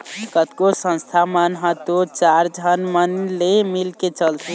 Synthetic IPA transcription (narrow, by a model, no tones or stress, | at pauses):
kət̪kosə̃nst̪ʰamənɦət̪ot͡ʃaɾd͡ʒʱənmənlemilket͡ʃəlt͡ʃʰi